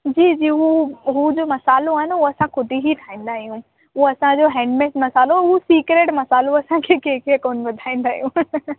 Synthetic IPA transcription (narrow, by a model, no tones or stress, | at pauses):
d͡ʑiːd͡ʑiːɦuɦud͡ʑoːmɐsaːloaːɦɪnɪuɐsãkʊd̪ʱiɦiʈʰaːĩːn̆d̪aːɦijũ | uɐsãd͡ʑoːɦɛ̃ːɳɖmeːsmɐsaːloɦusiːkɾeːʈmɐsaːloɐsãkʰeːkeːkiekoːnʋɐd̪ʱaːĩːn̆d̪aːɦijũ